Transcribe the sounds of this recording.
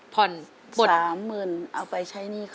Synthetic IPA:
pʰɔ˨˩n | o˧˩aː˨˩˦mːɯː˧˩nʔa˨˧˩wpa˨˩jt͡ɕʰa˧˥˩jniː˧˥˩k

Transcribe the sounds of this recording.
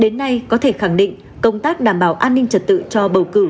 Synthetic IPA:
ɗe˨˦nːa˧jkɔ˨˦t̪ʰe˧˩xa˧˩ŋɗḭ˧˨ŋ | kə˧wŋ͡mt̪aː˦˥k̚ɗaː˧˩mɓaː˧˩wʔaː˧nːï˧ŋ̟t͡ɕə˨˩t̚t̪ɨ̰˧˨t͡ɕɔ˧ɓə˨˧˩wkɨ˧˩

